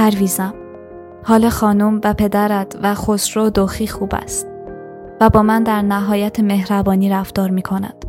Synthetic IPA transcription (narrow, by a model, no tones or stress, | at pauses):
pæɾviːzæm | hɒːlɒxɒːnumvæpʰe̞d̪æɾæd̪væxosɾod̪oxiːxuːbæ̰st̪ | væbɒːmænd̪æɾnæɦɒːjæt̪ʰeme̞hɾæbɒːniːɾæft̪ɒːɾmiːkʰo̞næ̰nd̪̥